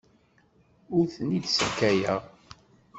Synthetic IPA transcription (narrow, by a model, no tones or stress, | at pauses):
ʊɾθənid̪səkːæjæʁ